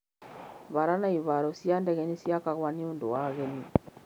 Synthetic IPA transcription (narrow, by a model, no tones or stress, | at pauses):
βaɾanaiβaɾɔsjandɛɣɛnisjakaɣwanioːndowaɣeni